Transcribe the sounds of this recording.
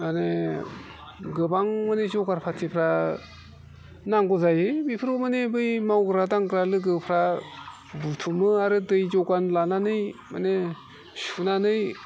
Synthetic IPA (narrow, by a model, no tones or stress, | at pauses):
mane | ɡɯbaŋmanezɔɡaɾpʰatʰipʰɾa | naŋɡɔzajɯbipʰɾomanebɯjmawɡɯɾadaŋɡɯɾalɯɡɯpʰɾa | butʰumɯaɾɯdɯjzɔɡanlananɯjmane | sunanɯj